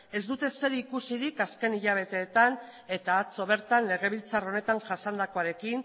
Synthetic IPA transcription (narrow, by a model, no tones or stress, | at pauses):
e̞zd̪ut̪e̞se̞ɾikusiɾikaske̞niʎaβ̞e̞t̪e̞ːt̪an | e̞t̪aːt͡so̞β̞e̞ɾt̪anle̞ɣ̞e̞β̞ilt͡saro̞ne̞t̪aŋʝasand̪ako̞aɾe̞kin